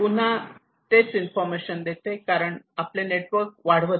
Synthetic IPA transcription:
pun̤a | t̪et͡sinfɔɾmeɕənd̪et̪ekaɾəɳapleneʈʋəɾk̚ʋaɽ̤ʋə

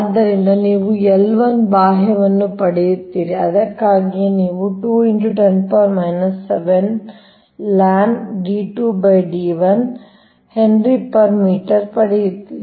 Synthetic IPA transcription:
ɐd̪ːɐɾind̪ɐniːʋuɛlʋɐnbaːɦɛʋɐnːupɐɽɛjut̪ːiːɾiɐd̪ɐkːaːɡijeniːʋuʈuːiɳʈuʈenpɐɾmɐjnɐsːeʋen | laːɳɖiːʈuːbɐjɖiːʋɐn | heɳɖɾipɐɾmiːʈɐɾpɐɽɛjut̪ːii

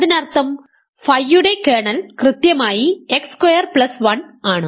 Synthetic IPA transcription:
ɐðinɐrt̪ːɐm | fɐjːuɽekeːɳɐlkrɨt̪jɐmaːjiekskwɐjɐrplɐsʋɐnaːɳɨ

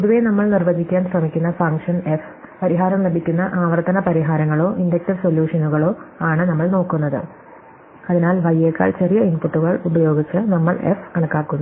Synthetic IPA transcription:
poðuʋe̞nɐmːɐɭnirʋɐd͡ʑikʲːaːnsrɐmikʲːunːɐfɐŋkʂɐnef | pɐɾiɦaːɾɐmlɐbʱikʲːunːɐʔaːʋɐrt̪ɐnɐpɐɾiɦaːɾɐŋːɐɭo̞ːʔindek̚ʈiʋsoljuːʂɐnuɣɐɭo̞ːaːɳɨnɐmːɐɭno̞ːkːunːɐðɨ̰ | ɐðinaːlʋɐjeːkːa̰ːɭt͡ɕe̞rijɐinpuʈːuɣɐɭubɐjo̞ːɡit͡ɕːɨnɐmːɐɭḛfɐɳɐkːaːkːunːɐ

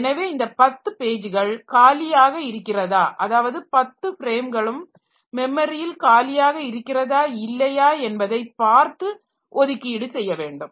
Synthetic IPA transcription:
ɛnɐʋeːɪnd̪ɐpɐt̪ːɯpeːd͡ʒɯɣɐɭkaːlɪjaːɣɐɪɾɯkːɪrɐðaːʔɐðaːʋɐðɯpɐt̪ːɯfɪɾeːmɡɐɭɯmː | ɛmːɐɾɪjɪlkaːlɪjaːɣɐɪɾɯkːɪrɐðaːɪlːɐjaːɛnbɐðɐɪpːaːɾt̪ɯ | ʔɔðɯkːiːɽɯsɛjːɐʋeːɳɖɯm

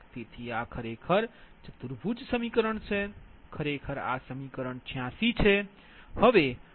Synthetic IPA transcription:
t̪et̪ʰiakʰəɾekʰəɾd͡ʒəd̪uɾbʱud͡ʒsəmikəɾəɳt͡ʃʰɛkʰəɾekʰəɾa̰səmikəɾəɳt͡ʃʰijãsit͡ʃʰɛ | həbe

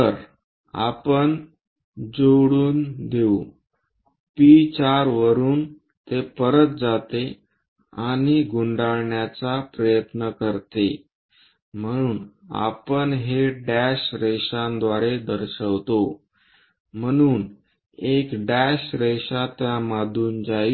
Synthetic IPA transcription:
t̪əɾ | a̰pəɳ | d͡zoɽuːnd̪eu | pit͡ɕaɾʋəɾuːn | t̪epəɾət̪̚d͡zat̪e | aɽ̃iɡuɳɖaɭɳjat͡sapɾəjət̪nəkəɾt̪e | m̤əɽ̃uːna̰pəɳɦeɖæɕɾeɕãnd̪ʋaɾed̪əɾɕəʋt̪o | m̤əɽ̃uːn | ekɖæɕɾeɕat̪jamad̪ʱuːnd͡zaj

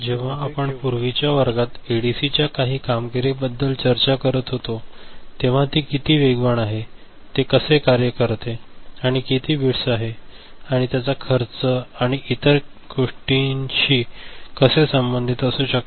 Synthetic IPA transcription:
d͡ʑeʋ̤aːpəɳpuɾʋit͡ɕjaʋəɾɡat̪eɽisit͡ɕjakaɦiːkamɡiɾebəd̪ːəlt͡ɕəɾt͡ɕakəɾət̪ɦot̪ot̪eʋ̤at̪ikit̪iːʋeɡʋəɳaɦe | t̪ekəsekaɾjəkəɾt̪eaɽ̃ikit̪iːbʱiɽsaɦe | aɽ̃it̪jat͡sakʰəɾt͡səaɽ̃iʔit̪əɾ | ɡoʂʈinɕiːkəsesəmbənd̪ʱit̪əsũːɕək̚t̪

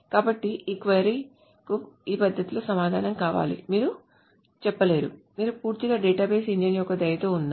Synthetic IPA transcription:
kaːbɐʈːiiːkʋeɾi | kuiːpɐd̪ʱːɐt̪uloːsɐmaːd̪ʱaːnɐmkaːʋa̰ːlḭmiːɾu | t͡ʃɛpːɐle̞ːɾṵmiːɾupuːɾt̪iɡaːɖɛːʈaːbeːsiɲd͡ʒenjɔkːɐd̪ɐjɐt̪oːund̪a

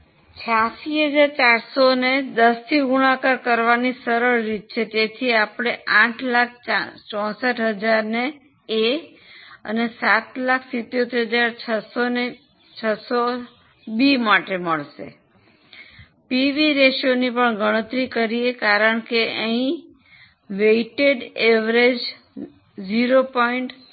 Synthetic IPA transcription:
t͡ʃʰasiɦəd͡ʒaɾt͡ʃaɾsoned̪əst̪ʰiɡuɽ̃ãkaɾkəɾʋanisəɾəɾːit̪̚t͡ʃʰet̪et̪ʰiapɽ̃eãʈʰlak̚ʰat͡ʃɔ̃səʈɦəd͡ʒaɾneː | ə̰nesat̪lakʰsit̪ːeot̪eɾɦəd͡ʒaɾt͡ʃʰəsone | t͡ʃʰəso | bimaʈeməɭʃḛ | piʋiɾeʃonipəɳɡʱəɽ̃ət̪ɾikəɾiekaɾəɳkeəɦĩ | ʋeiʈeɖeʋɾed͡ʒ | d͡ʒiɾopɔiɳʈ

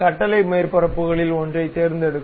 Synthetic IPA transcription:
kɐʈːɐlɐɪmeːɾpɐɾɐpːɯɣɐɭɪlɔndrɐɪt̪eːɾnd̪ɛɽɯkː

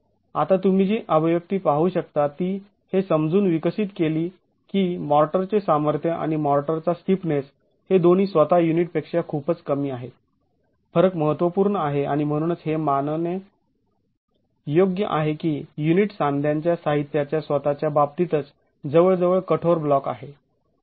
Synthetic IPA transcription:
at̪at̪um̤id͡ʑiːʔəʋəjək̚t̪iːpaɦuːɕək̚t̪at̪iː | hesəmd͡zuːnʋikəɕit̪keliː | kiːmɔɾʈəɾt͡sesaməɾt̪ʰjəʔa̰ɽ̃imɔɾʈəɾt͡sasʈ̪ipnes | hed̪on̤iːsʋət̪ajuniʈ̚pekʂjakʰupət͡skəmiːaɦet̪ | fəɾəkməɦət̪ʋəpuːɾɳəaɦeaɽ̃im̤əɽ̃uːnət͡sɦemanne | joɡjəʔaɦekiːjuniʈsãnd̪ʱjãɲt͡ɕjasaɦit̪jat͡ɕjasʋət̪at͡ɕjabab̚t̪it̪ət͡s | d͡zəʋəɭd͡zəʋəɭkəʈʰoɾblɔka̰ɦe

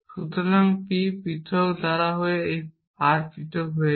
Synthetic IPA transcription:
sut̪ʰɔnaŋpipit̪ʰɔkd̪aɾaɦoeej | aɾpit̪ʰɔkɦoe

